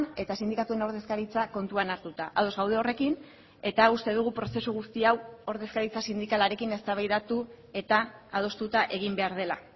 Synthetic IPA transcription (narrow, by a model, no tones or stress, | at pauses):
ne̞t̪asind̪ikat̪ue̞no̞ɾð̞e̞skaɾit͡sako̞nt̪uanaɾt̪ut̪aʔað̞o̞zɣawð̞e̞o̞re̞kin | e̞t̪aust̪e̞ðuɣ̞upɾo̞se̞suɣ̞ust̪iawo̞ɾðe̞skaɾit͡sasind̪ikalaɾe̞kine̞st̪aβajðat̪u | e̞t̪aːð̞o̞st̪ut̪aʔe̞ɣ̞imbe̞aɾð̞e̞la